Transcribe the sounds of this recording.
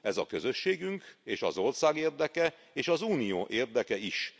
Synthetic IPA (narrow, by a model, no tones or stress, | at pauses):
ɛzɒ̰kø̞zø̞ʃːeːɡyŋkeːʃɒ̰zo̞rsaːɡeːrd̪ɛkɛ | eːʃɒzuːnijo̰ːʔeːrd̪ɛkɛiʃ